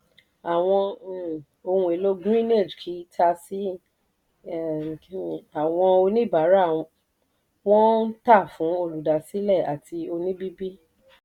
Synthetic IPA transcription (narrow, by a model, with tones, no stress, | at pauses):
a˨w̃ɔ̃˧˨ | o˧hũ˧˦e˨lo˦ɡɾĩ˦ne˦˨d͡ʒkʰi˨˦tʰa˧si˦˨ | ki˦ĩ˨a˨w̃ɔ̃˧o˧nĩ˦˨ba˨˦ɾa˦˨ | w̃ɔ̃˦n̩˦ta˦˨fũ˨˦o˧lu˨da˨si˨˦lɛ˦˨a˨ti˧o˧nĩ˦bi˦bi˦